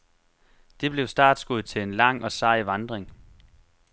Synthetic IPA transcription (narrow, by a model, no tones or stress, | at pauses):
d̥e̝b̥le̝ʊsd̥ɑ̰̈ːd̥sɡ̥uð̩̰ˠt͡sʰe̝le̝nlɑ̈ŋ̰ɒ̽sɑ̈ɪʋɑ̈nd̥ʁeŋ